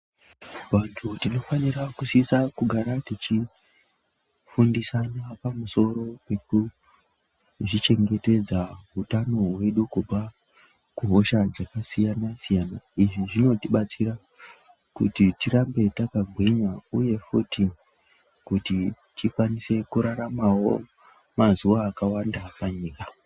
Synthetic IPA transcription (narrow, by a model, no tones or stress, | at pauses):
ʋantʰutino̞fanirakusisakuɡʱaɾatit͡ʃi | fundisanapamuso̞ɾo̞pe̞ku | ʐit͡ʃe̞ŋɡe̞te̞d͡zaɦutano̞ɦwe̞ɗukub͡va | kuɦo̞ʃad͡zakasijanasijanaiʐiʐino̞tiɓat͡sira | kṵtitiɾambe̞takaɡʱwiɲauje̞futi | kuti | tikwanise̞kuɾaɾamawo̞̰ | mazuʋaːkawandapaɲiːka